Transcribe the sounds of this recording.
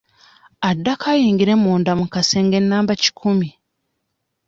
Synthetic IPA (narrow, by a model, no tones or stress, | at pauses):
adːakʰajiːŋɡiɾe̞mːoːndamukaseːŋɡe̞nːaːmbaci̥kʰumi